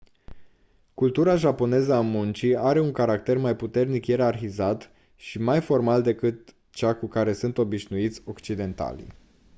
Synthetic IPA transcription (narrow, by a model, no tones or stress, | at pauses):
kult̪uɾaʒapo̞ne̞zəamunt͡ʃiaɾe̞uŋkaɾakt̪e̞rmajput̪e̞rnikjeɾarxizat̪ | ʃimajfo̞rmald̪e̞kɨt̪ | t͡ʃakukaɾe̞sunt̪o̞biʃnuit̪sʲo̞kt͡ʃid̪e̞nt̪a̰lḭ